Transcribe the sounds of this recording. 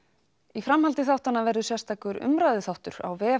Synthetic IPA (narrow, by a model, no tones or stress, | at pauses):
ifɾamhalt̪ɪθawht̪anːavɛɾðʏsjɛst̪ʰaːkʏɾʏ̰mɾajðɪθawht̪ʏɾa̰wvɛː